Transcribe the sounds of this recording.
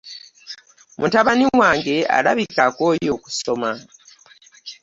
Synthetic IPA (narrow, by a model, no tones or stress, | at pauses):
mʔutaβaniwaːŋɡe̞a̰la̰βikako̞ːjo̞ːku̥so̞ma